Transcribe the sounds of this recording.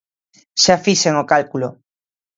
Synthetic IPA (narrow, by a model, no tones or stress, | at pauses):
ʃafiʃeŋokalkulo